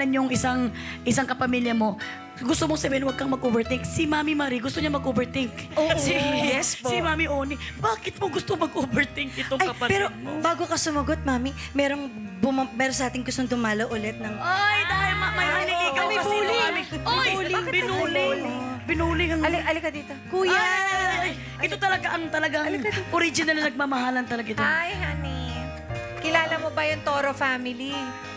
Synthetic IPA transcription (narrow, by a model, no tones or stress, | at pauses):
ɐnjʊŋɪsaŋ | ʔɪsaŋkɐpɐmiːljɐmo̞ | ɡʊst̪omosɐbɛːhɪnwɐɡ̚kɐŋmɐɡ̚ʔoːbɛɹt̪ɪŋksimaːmimaɾiɡʊst̪oɲɐmɐɡ̚ʔoːbɛɹt̪ɪŋkoːsiɛspsɪmaːmiʔoːnibaːkɪt̪̚moɡʊst̪oŋmɐɡʔoːbɛɹt̪ɪŋkɪoŋjɐɐpɛːɾobaːɡokɐsʊmɐɡot̪̚maːmi | mɛːɾoŋbʊmamɛːɾonsɐʔaːt̪ɪŋɡʊst̪oŋd̪ʊmaːlowʔʊlɛt̪̚nɐŋajd̪aːhɪlmɐmɐjɐlɪliːkɐmɐjɐbulɪamɪŋolbɪnulɪlbɪnuːlɪŋɐŋlɐlɪkɐd̪iːt̪okuːjaɐj | ɪt̪o̞t̪ɐlɐɡaʔɐŋt̪ɐlɐɡɐŋʔoɾid͡ʒɪnɐlnɐnɐɡ̚maːmɐɦaːlɐnt̪ɐlɐɡaɪt̪ajhanɪ | kɪlaːlɐmobɐjʊŋt̪oːɾofaːmɪli